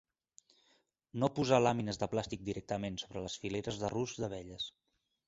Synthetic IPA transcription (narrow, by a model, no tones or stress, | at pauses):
nopuzalaminəzðəplast̪ik̚d̪iɾɛk̚t̪əmensoβɾələsfileɾəzðəruzðəβɛʎəs